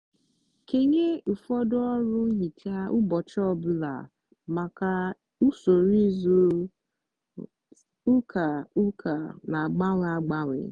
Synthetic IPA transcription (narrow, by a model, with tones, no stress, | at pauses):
ke˨ɲe˦u˨fɔ˦dɔ˦ɾʊ˦ŋ̩˦ɦi˨tʰa˦ʔu˦bɔ˨t͡ʃɔ˦bʊ˦la̰˨ | ma˨ka˨ | u˦so˨ɾi˦zu˦ | u˦kʰa˨u˦kʰa˨na˨ɡ͡ba˦we˦a˦ɡ͡ba˦wʷɪ̰˨